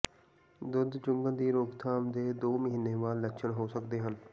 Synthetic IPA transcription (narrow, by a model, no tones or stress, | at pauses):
d̪ʊd̪t͡ʃʊ̃ŋɡə̃nd̪iːɾoːɡt̪ʰaːmd̪eːd̪oːməɦiːneːʋaːlːəkʃʰənɦoːsəkd̪eːɦən